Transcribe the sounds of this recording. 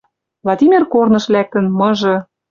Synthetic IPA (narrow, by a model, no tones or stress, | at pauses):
vlˠɑd̪ʲimʲerkornɤ̆ʃlæk̚t̪ə̆nmɤ̆ʒɤ̆